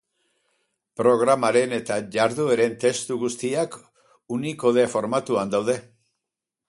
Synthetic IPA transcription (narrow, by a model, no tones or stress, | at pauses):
pɾo̞ɣ̞ɾamaɾe̞ne̞t̪aʝaɾðueɾe̞nt̪e̞st̪uɣust̪iak | uniko̞ðefo̞ɾmat̪uand̪awðe̞